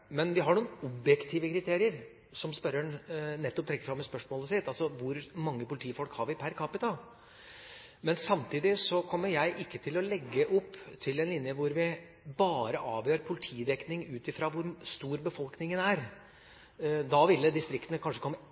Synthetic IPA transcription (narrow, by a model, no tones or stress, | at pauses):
mɛnʋɪɦɑɳuːnn̩ɔbjɛkt̪ʰiːʋəkɾɪt̪ʰeːɾɪəɾ | sɔmspœɾəɳnɛt̪ːɔp̚t̪ɾɛkːəfɾɑmːɛspœʂmoːləsɪt̪ːɑlsɔʋʊɾmɑŋːəpʊlɪt̪ʰiːfɔlkhɑɾʋɪpʰæɾkʰɑpɪt̪ʰɑl | mɛnsɑmt̪ʰiːd̪ɪsɔkʰɔmːəɾjæɪʔɪkːət̪ʰɪlɔlɛɡːəʔɔpːt̪ʰɪlɛnlɪnjəʋʊɾʋɪ | bɑːɾəʔɑːʋjøːɾpʰʊlɪt̪ʰiːd̪ɛknɪŋʉːt̪ɪfɾɑːʋʊɾst̪uːɾbəfɔlknɪŋənæɾ | d̪ɑʋɪlːəd̪ɪst̪ɾɪkt̪ənəkʰɑnʂəkʰɔmːə